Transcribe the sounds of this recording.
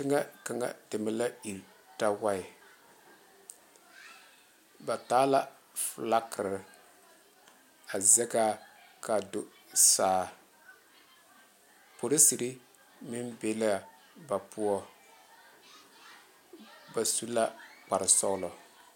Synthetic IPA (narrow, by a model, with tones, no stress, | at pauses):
tɪ˦ŋa˦ka˨ŋa̰˨dɪ˨ma˦la˦i˨ɾ | ta˦wa˦ɪ˨ | ba˨taː˦la˦ | fla˦kɪ˨ɾɪ˨ | a˨zɛ˦ka˦ka˨do˨ | saː˨˦˨ | po˨ɾɪ˦si˨ɾɪ˦ | mɪ˦mbe˦la˨ | ba˨pu˦ɔ˦ | ba˨su˦la˦k͡pa˨ɾɪ˨sɔ˦lɔ˨